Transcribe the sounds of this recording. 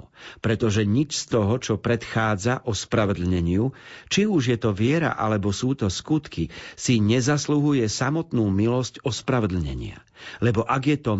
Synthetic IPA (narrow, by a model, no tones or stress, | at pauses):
pɾɛt̪ɔʒɛɲit͡ʃst̪ɔɦɔt͡ʃɔpɾɛt̪xaːd͡zaʔɔspɾaʋɛd̪l̩ɲɛɲɪut͡ʃiuʒjɛt̪ɔʋɪɛɾa̰ʔa̰lɛbɔsuːt̪ɔskut̪kisiɲɛzasluɦujɛsamɔt̪nuːmilɔscɔspɾaʋɛd̪l̩ɲɛ̰ɲɪa̰ | lɛbɔʔaɡjɛt̪ɔ